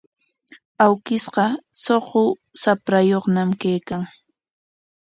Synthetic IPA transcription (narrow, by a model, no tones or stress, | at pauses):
awkɪsɢɑsoχʊ | sapɾajoχnamkajkaŋ